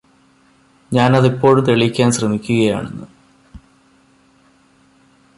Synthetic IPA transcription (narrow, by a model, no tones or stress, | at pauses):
ɲaːnɐðipːo̞ːɻut̪eɭikʲːaːnsrɐmikʲːuɣɐja̰ːɳḛnːɨ